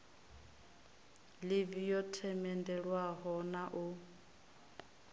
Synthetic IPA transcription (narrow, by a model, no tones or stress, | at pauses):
levijɔtʰɛmɛndɛɺwaɦɔnaʔʊ